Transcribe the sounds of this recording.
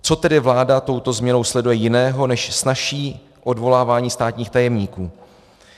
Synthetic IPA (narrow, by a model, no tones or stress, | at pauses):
t͡so̞t̪ɛdɪvlaːdat̪o̞wt̪o̞zmɲɛno̞wslɛdujɛjɪnɛːɦo̞nɛʃsnaʃiː | ʔo̞dvo̞laːvaːɲiːst̪aːt̪ɲiːxt̪ajɛmɲiːkuː